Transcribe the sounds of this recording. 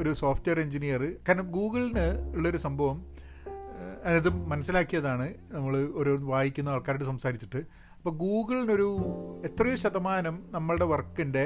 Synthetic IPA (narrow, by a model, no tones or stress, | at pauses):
o̞ɾusoːfʈʋejɐreɲd͡ʑinijɐrɨkaːɾnɐmɡuːɣɨɭinɨuɭːɐoɾusɐmbʱɐʋɐm | ɐðiðɨmɐnɐsːilaːkːijɐðaːɳɨnɐmːɐɭɨoɾoʋaːjikʲːunːɐɐːɭkaːɾiʈːɨsɐmsaːɾit͡ɕːi̥ʈːɨ | ɐpːoːɡuːɡɐɭːino̞ɾuet̪rɐjuɕɐd̪ɐmaːnɐmnɐmːɐɭɨɽe̞ʋɐrkːinde̞